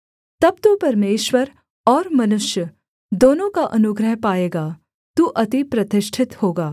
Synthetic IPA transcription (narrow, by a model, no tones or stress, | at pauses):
t̪ɐb̚t̪uːpɐɾmeːʃwəɾ | ɔːɾmɐnʊʃjə | d̪oːnõkaʔɐnʊɡɾəɦpaːeːɡaː | t̪uʔɐt̪ipɾɐt̪ɪʃʈʰɪt̪hoːɡaː